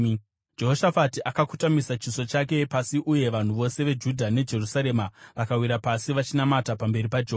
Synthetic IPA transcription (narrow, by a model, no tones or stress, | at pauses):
d͡ʒe̞ɦoʃafatiʔakakutamisat͡ʃiso̞t͡ʃak̬e̞pasiʔuje̞ʋan̤uʋo̞se̞ʋe̞d͡ʒudʱane̞d͡ʒe̞rusaɾe̞maʋakawiɾapasiʋat͡ʃinamatapambe̞ɾipad͡ʒe